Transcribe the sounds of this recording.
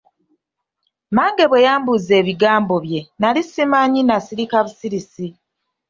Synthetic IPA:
maːŋɡe̞βwe̞jaːmbuze̞ːβiɡaːmbo̞βje̞nalisimaːɲinasiɾikaβusiɾisi

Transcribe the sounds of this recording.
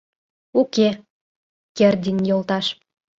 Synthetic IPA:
uke | kerd̪ʲinʲjolt̪ɑʃ

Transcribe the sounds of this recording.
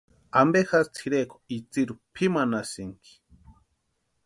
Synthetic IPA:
ambexast͡sʰiɾeko̥it͡siɾupʰimanasiŋki̥

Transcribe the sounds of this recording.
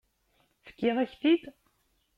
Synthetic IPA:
fə̥kːeðˤæçθid̪

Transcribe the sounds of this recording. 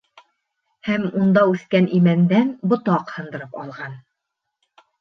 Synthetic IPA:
hæmund̪ɑʉθkænʔimænd̪ænbŏt̪ɑqhɤ̆nd̪ɤ̆ɾɤpɑlˠʁɑn

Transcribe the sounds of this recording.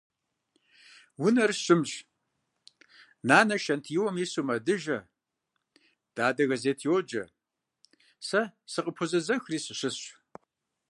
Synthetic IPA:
wʊnɐrɕɪmɕ | naːnɐʃɐntʰjiwɔmisumɐdɨʒɐ | d̥aːdɐɣɐzeːtʰjwɔd͡ʒɐ | sɐsɨqʼəpʰʊzɐzɐxriːsɨɕɨsɕʷ

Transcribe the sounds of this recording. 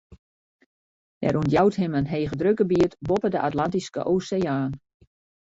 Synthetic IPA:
d̥ɛ̰ɾunjawthɪmənɦeːɣədrøkəbiətbopədəʔatlantiskə̰ʔoːseaːn

